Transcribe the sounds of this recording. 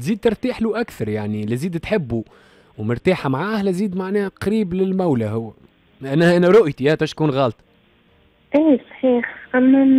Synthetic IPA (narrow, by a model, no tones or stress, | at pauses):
ziːd̪̚t̪ɪɾˤt̪iːħluʔækθɑɾˤjaʕnilæziːd̪t̪ħɪbːu | wmʊɾt̪aːħamʕaːhlæziːd̪maʕnɛːhqɾiːblɪlmæwlæɦʊwːæ | lʔænːæhʔænæɾˤʊʔjt̪iʔæːt̪æʃkuːnɣɑːlt̪ˤ | ʔiːsˤħiːħʔæmːæn